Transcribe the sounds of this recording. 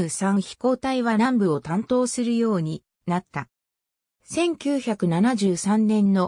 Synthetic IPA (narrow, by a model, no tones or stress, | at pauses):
sãɰ̃çi̥ko̞ːt̪aiβanãmbɯ̟o̞t̪ãnt̪o̞ːsɨɾɯ̟jo̞ːɲ̟i | nat̪ːa | sẽ̞ŋkʲɨːçakɯ̟nanaʑɨːsãnːẽ̞nːo̞